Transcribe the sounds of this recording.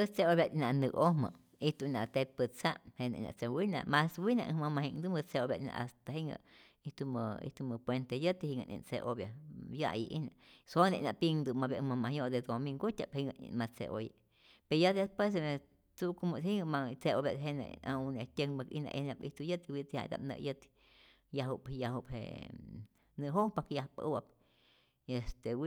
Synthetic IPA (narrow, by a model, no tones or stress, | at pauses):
əst͡seoβjat̪inanɨohmə̰ | iht̪unat̪et̪̚pət͡sahenḛna̰t͡sewina̰ʔmaswina̰ʔmamahiŋd̪ɨmət͡seoβʲjat̪na̰ʔast̪aɦeŋə̰ | iht̪uməḭht̪uməpwent̪ejət̪ihiŋə̰nʔḭnt͡seʔoβjaja̰ʔjiʔinaʔsonḛʔnaʔpiŋd̪ɨmaβjamamahjoʔd̪ed̪omiŋɡut̪ʲaphiŋəḭmat͡sḛʔoji | peɾjad̪espwesee | t͡sukomohiŋəmat͡seoβjaɦena̰aunet̪ʲəŋmakḭhna̰ʔihnapiht̪ujət̪wit̪ha̰d̪a̰p̚nə̰ʔjət̪ | jaɦupjaɦuphḛ | nɨɦoŋpakjahpə̰ʔwap̚ | est̪ew